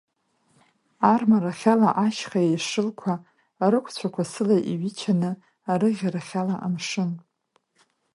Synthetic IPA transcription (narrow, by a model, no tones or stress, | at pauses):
armaɾaχʲalaʔaʃχaejʂɨlkʷʰaː | ɾɨkʷʰt͡ɕʷʰakʷʰasɨlaʔiɥit͡ʃʰanɨ | aɾɨʁʲaɾaχʲalaʔa̰mʂɨn